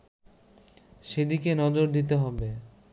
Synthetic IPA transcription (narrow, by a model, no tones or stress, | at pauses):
ʃed̪ikenɔd͡ʑoɾd̪it̪̬eɦɔbe